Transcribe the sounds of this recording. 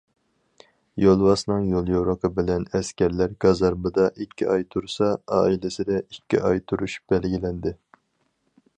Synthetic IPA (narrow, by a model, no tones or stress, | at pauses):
jolˠwɑsnɨŋjolˠjoɾəqʰəbɪlɛnɛskʲɛɾlæɾɡɑzɑɾmɨd̪ɑʔikʲʰːiʔɑjt̪ʰuɾsɑɑ̰ːilɪsɪd̪ɛikʲːiʔɑjt̪ʰuɾuʃb̥ɛlɡʲilɛnd̪ɪ